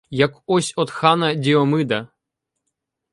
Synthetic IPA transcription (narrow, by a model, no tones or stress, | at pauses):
jakɔsʲɔt̪xanɐdʲɛɔmɨd̪ɐ